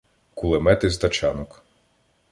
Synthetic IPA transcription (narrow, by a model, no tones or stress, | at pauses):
kulˠemɛt̪ɪzd̪ɐt͡ʃɑnɔk